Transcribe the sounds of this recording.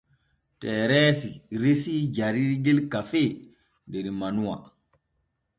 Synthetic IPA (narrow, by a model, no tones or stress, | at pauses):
tɛːɾɛsiɾesid͡ʒaɾiɾɡilkafe | ndeɾimanuwa̰